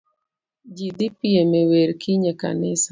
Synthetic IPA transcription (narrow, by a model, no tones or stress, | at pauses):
d͡ʒid̪ipiemeweɾkʰiɲeka̰nɪsḁ